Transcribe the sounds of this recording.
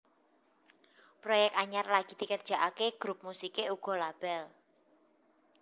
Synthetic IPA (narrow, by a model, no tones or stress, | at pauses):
pɾojɛk̚t̪aɲarlaɡ̥i̤d̪̥i̤kərd̥ʒ̥a̤ʔakeɡ̥ɾup̚musikeuɡ̥ɔ̤lab̥ɛl